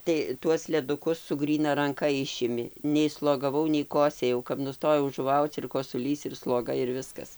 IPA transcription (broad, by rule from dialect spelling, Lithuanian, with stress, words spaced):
tɐɪ ˈtuɔs lʲɛˈdʊkʊs sʊ ˈɡrʲiːnɐ rɐŋˈkɐ ˈɪʃʲɪmʲɪ nʲɛɪ slˠoːɡɐˈʋɐʊ nʲɛɪ ˈkoːsʲeːjɛʊ kɐp nʊˈstoːjɛʊ ʒʊˈʋɐʊt͡s ɪr koːsʊˈlʲiːs ɪr slˠoːˈɡɐ ɪr ˈʋʲɪskɐs